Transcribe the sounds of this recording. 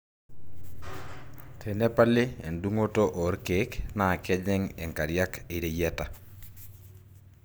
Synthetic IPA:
tʰe˨ne˦pa˦lɪ˦e˨ndu˦ŋo˦to˦ʔo˨˦ɾke˨kna˨kɛ˦d͡ʒɛ˦ŋɛ˨ŋka˨ɾja˦kɪ˨ɾe˨jɛ˦ta˨

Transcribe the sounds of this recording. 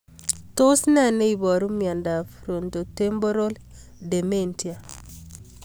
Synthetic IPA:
to˦snɛ˦˨ne˦i˨bɔ˨ɾu˦mia˨nda˨fɾo˨nto˨te˦mbo˦ɾo˦l | de˨me˦ntʰi˨a˨

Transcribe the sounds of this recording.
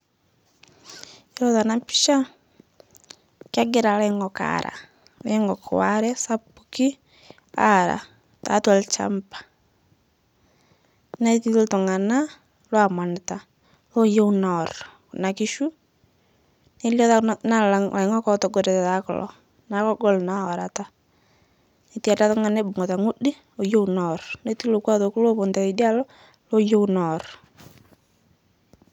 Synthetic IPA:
eɾɔ˦ða˨na˨pi̥˦ʃa˦ | kaɡe˦ɾa˨lɛŋɔka̰ɾa̰˨ | leŋɡɔ˨kʰo̰˨wa̰ɾɛ˦sa˦puki˦ | a̰ɾa̰˨ | ta̰twɛ˨lt͡ʃa̰˦mpḁ˨ | na˦i˦ti˦o˦to˨ŋa˨na˦ | lwa˨ma˨nta˨ | lo˦jo˦u˦naɾɔkna˨ki˦ʃu˦ | ne˦ljɔ˦na˦la˨ŋa˨ɪ˨ŋɔ˦kɔ˦tɔ˨ɡo˨ɾe˨tɛ˨ta˨˦kʊ̰˨lɔ̰˨ | na˨˦kɔ˦ɡɔ˦˨lna˦ɔ˨ɾa̰˨ta˦ | ne˨ti˦a˨ta˦tʊ˦ŋa˨ne˦bʊ˨ŋɔ˨ta˨ŋʊ˦di˦ | o˨jo˦wnɔ˨rne˦ti˦lo˨kwa˦ðo˨ku˦lo˦po˨nta˨i˨di˦a˦lɔ˦ | lo˦jo˦wnɔ˨r

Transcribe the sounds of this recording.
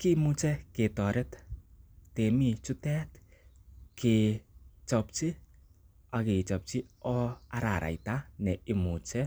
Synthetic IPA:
ki˦mu˦t͡ʃɛ˦ke˨tɔ˨ɾɛ˦t | te˨mi˦t͡ʃu˦tɛ˦t | kʰi˨t͡ʃɔ˧p̚t͡ʃi˦ | a˨ki˨t͡ʃɔ˨p̚t͡ʃi˦ɔ˦a˨ɾa˨ɾʔa̰˨jta˦nɛ˨i˨mu˨t͡ʃɛ˦

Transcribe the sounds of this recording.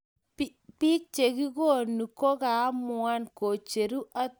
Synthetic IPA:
pi˦k̚t͡ʃe˨ɡi˦ɡo˦˨nu˨ko˦ka˨˦mʊ˨a˦nko˨t͡ʃe˨ɾu˦ʔa˦

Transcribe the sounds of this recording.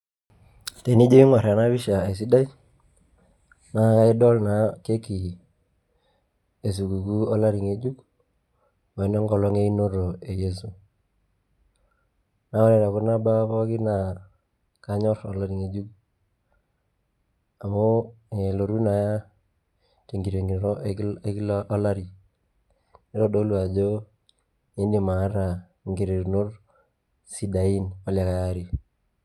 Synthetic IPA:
te˨ni˦d͡ʒe˦ɪ˦ŋa˨ɾa˨na˦βɪ˦ʃa˨e˨s̬i˦da˦i˦ | na˨˦ka˦ɪ˦dɔ˦lna˨˦ke˦ki˨ | e˨s̬u˨ku˨ku˦ɔ˦la˦ɾi˨ŋe˨d͡ʒu˦k | wa˨nɔ˦ŋɡɔ˨lɔ˦ŋe˦i˦no˦ɾo˨e˨je˦s̬u˨ | na˦lɛ˨ɾa˨kʊ˦na˦ba˦pɔ˦kɪ˦na˨ | ka˦ɲɔ˦rɔ˨la˦ɾi˨ŋe˨d͡ʒu˦k | a˨mo˦e˨lo˨ɾu˦na˨ja˦ | te˨ŋɡi˨ɾe˨ɾe˦klʔa˦la˦ɾi˨ | ne˦ɾo˦˨do˦lwa˨d͡ʒo˦ | ɲe˦ndi˨ma˨˦ɾa˨ | ŋɡe˨ɾe˨ɾno˦r | si˨da˨i˦nɔ˦lja˨ka˨ja˦ɾi˨

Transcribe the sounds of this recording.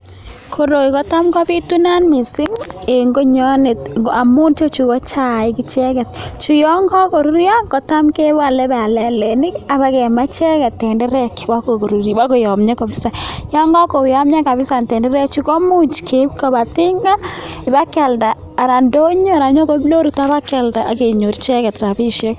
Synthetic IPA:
kʰo˨ɾo˨ki˨kɔ˦ta˦mkɔ˦bi˦tu˦na˦nmi˨sɪ˦ŋe˨ŋɡo˦ɲɔ˦ne˨ta˨mu˦nt͡ʃo˦t͡ʃu˨kɔ˦t͡ʃa˦˨i˦ki˦t͡ʃɛ˦kɛ˨t̚t͡ʃu˨jɔ˦ŋɡɔ˦ko˨ɾu˦ɾjɔ˦kɔ˨ta˦mke˦ba˦˨lɛ˦ba˨lɛ˨le˨nɪ˦ka˨βa˦kɛ˨ma˦t͡ʃɛ˦kɛ˨tːɛ˨ndɛ˦ɾɛ˦kwa˦ko˨ko˨ɾu˨ɾjwa˦ko˨jɔ˨mɲa˦kɔ˨bɪ˦sa˨jɔ˦ŋɡɔ˦ko˨ja˦mɲa˦ka˨βɪ˦sa˨ntɛ˨ndɛ˦ɾɛ˦k̚t͡ʃu˦kɔ˦mu˦t͡ʃkʰe˨pka˨ba˨tɪ˦ŋɡa˦ɪ˨ba˦kɛ˨ldaː˨ɾa˨ndo˦ɲo˦ɾa˨ɲɔ˦ko˦blo˦ɾu˨ta˦βa˦kɛ˨lta˨ʔa˨ke˨ɲo˨ɾt͡ʃɛ˦kɛ˨tra˨pi˦ʃɛ˦k

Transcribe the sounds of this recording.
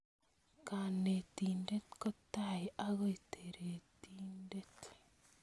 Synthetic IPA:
ka˨ne˨ti˨nde˦tko˦taeʔaɣo˦iteɾe˨tinde˦t

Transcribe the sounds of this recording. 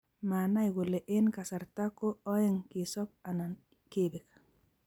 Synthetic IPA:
ma˨na˦ɪ˨ɡʊ˨le˨ʔɪ˦nka˨sa˨ɾta˦ko˦ɔ˦ɪ˦ŋkɪ˨sɔ˦k̚a˨na˨n | ke˦be˨k

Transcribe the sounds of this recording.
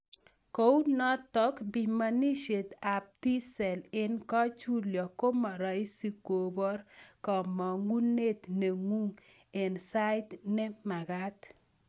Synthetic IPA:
ko˦u˦nɔ˦t̪ɔ˦kbi˨ma˨ni˦ʃe˨t̪a˨p̚ti˦sɛ˨lɪ˦nkɔ˦t͡ʃu˦ljɔ˨ko˦ma˨ɾɔ˨i˦si˨ko˨bɔ˦ɾkɔ˨mɔ˨ŋɡu˦ne˦t̪ne˨ŋu˦ŋ | ɪ˨nsa˦ɪ˦t̪nɛ˦ma˨ɡa˦t̪

